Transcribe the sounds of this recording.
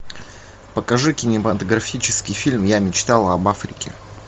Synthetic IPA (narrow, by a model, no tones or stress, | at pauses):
pəkɐʐɨkʲɪnʲɪmət̪əɡɾɐfʲit͡ɕɪskʲɪjfʲilʲmjamʲɪt͡ɕt̪alˠɐbafɾʲɪ̰kʲɪ̰